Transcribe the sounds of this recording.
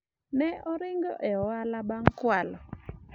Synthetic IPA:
nɛʔɔɾɪŋɡɔ̰ʔɛɔwalabaŋkwalɔ

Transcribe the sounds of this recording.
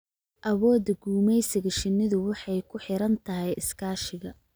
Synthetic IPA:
ʔɐwɔːd̪ɐɡuːmɛjsɪɣɐʃɪnːɪðʊwɑħɑjkʰʊħɪɾɐnt̪ʰɐɦɛjɪskʰaːʃɪɣɐ

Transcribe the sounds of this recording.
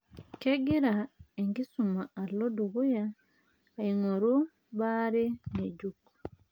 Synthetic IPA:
keɡiɾaeŋɡisumaːloduβujaː | iŋoɾu | βaɾineɟuku̥

